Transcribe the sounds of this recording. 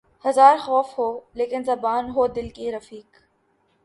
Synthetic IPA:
hɐzaːɾxɔːfɦoːleːkɪnzɐbaːnɦoːd̪ɪlkiɾɐfiːk

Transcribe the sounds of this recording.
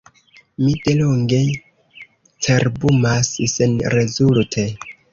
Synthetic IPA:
mide̞loŋɡe̞ | t͡seɾbumassenɾe̞zultʰe̞

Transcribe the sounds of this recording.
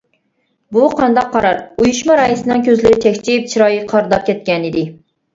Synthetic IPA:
buqʰɑnd̪ɑqʰːɑɾɑɾujuʃmɑɾɑːjisɨnɨŋkʲʰøzlɪɾɪt̪ʰɛkʲt͡ʃʰip̚t͡ʃʰiɾɑːjiqʰɑɾd̪ɑp̚kʲʰɛt̪̚kʲɛnɪd̪ɪ

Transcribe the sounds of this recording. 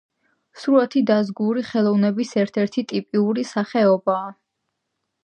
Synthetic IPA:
suɾat̪ʰid̪azɡuɾiχɛlˠɔvnɛbisɛɾt̪ʰɛɾt̪ʰit̪ʼipʼiuɾisaχɛɔbaː

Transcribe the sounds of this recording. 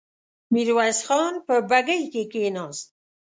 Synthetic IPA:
miɾwasxɑnpəbaɡəjkekenɑːs

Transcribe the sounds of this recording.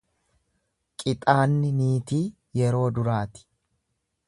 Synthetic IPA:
kʼɪt̪ʼaːnːɪniːt̪iː | jɛɾo̞ːd̪ʊɾaːt̪ɪ̥

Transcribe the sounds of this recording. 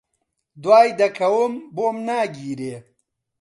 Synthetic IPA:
d̪waːjd̪ɐkʰɐwumboːmnaːɡiːɾeː

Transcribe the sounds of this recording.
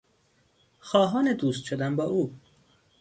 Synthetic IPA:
xɒːɦɒːned̪uːst̪ʃod̪æmbɒːʔuː

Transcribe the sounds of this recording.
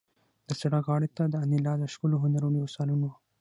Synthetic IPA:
d̪əsaɽakɣɑɽet̪ad̪əanɪlɑd̪əʃkəloɦʊnaɾonjosɑlunw

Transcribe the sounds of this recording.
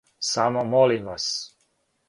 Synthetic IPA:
samomolimʋas

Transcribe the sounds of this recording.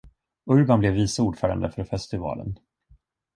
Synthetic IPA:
ɵɾbanblɛvːiːsauːɖfœːɾa̰nd̪əfœɾɔfɛst̪ʰɪvɑ̰ːlə̰n

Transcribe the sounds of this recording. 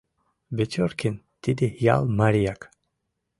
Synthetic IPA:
bet̪ʰɔɾkʰin | t̪id̪ija̰lˠmaɾijak

